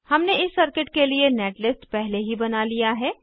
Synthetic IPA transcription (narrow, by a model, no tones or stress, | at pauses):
hɐmneɪsːɐɾkɪʈkelieneːʈlɪsʈpɛɦleɦibɐnalijaɦɛː